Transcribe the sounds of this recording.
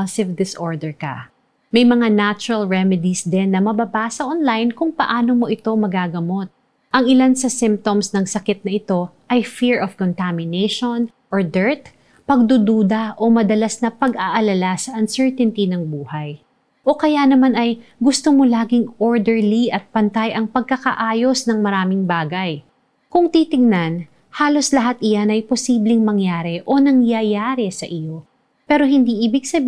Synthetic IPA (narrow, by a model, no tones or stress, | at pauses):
lsɪvd̪ɪsʔoɹd̪ɛɹkɐ̰ | mɐjmɐŋanat͡ʃʊɹɐlɹɛmɛd̪isd̪ɛnːɐmɐbabaːsɐʔonlajnkʊŋpɐʔaːnomo̞ʔɪt̪o̞mɐɡaɡɐmo̞t̪̚ | ʔɐŋɪlansɐsɪ̃mp̚t̪omsnɐŋsɐkɪt̪̚nɐʔɪt̪o̞ | ʔɐjfiɹʔofkont̪amɪnɛjʃon | ʔoɹd̪ɛɹt̪ | pɐɡ̚d̪ud̪uːd̪ɐʔo̞mɐd̪ɐlasnɐpɐɡaʔɐlɐlasɐʔɐnsɛɹt̪ɛnt̪inɐŋbuːhɐj | ʔo̞kɐjanɐmanɐjɡʊst̪omolaːɡɪŋoɹd̪ɛɹliʔɐt̪̚pɐnt̪ajɐŋpɐɡ̚kɐkɐ̰ʔaːjo̞snɐŋmɐɾaːmɪŋbaːɡɐj | kʊŋt̪it̪ɪɡ̚nɐn | haːlo̞slɐɦat̪ɪjanɐjpo̞siːblɪŋmɐŋjaːɾɛʔo̞nɐŋjɐjaːɾɛsɐʔɪjo̞ | pɛːɾo̞hɪnd̪iʔiːbɪɡsɐb